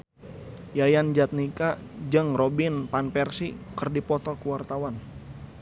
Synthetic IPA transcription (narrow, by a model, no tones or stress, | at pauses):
jajand͡ʒat̪̚nikad͡ʒɨŋrɔbɪnpanpɛrsikərdipɔt̪ɔkuwart̪awan